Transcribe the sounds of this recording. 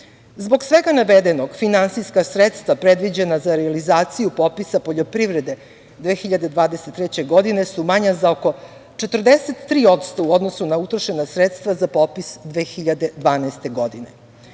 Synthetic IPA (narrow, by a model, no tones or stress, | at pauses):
zbo̞ɡsʋeɡanaʋed̪eno̞ɡfinansijskasɾet̪st̪ʋapɾed̪ʋid͡ʑenazaɾealizaːt̪sijupo̞pisapo̞ʎo̞pɾiʋɾed̪e̞ | d̪ʋeːxiʎad̪e̞d̪ʋaːd̪eset̪ːɾet͡ɕeɡo̞d̪ine̞sumaɲazaoko̞ | t͡ʃet̪r̩d̪eset̪ːɾiːo̞t̪st̪o̞uo̞d̪no̞sunaut̪ɾoʃe̞nasɾet̪st̪vazapo̞pisd̪ʋeːxiʎad̪e̞d̪ʋaːnaest̪e̞ɡo̞d̪ine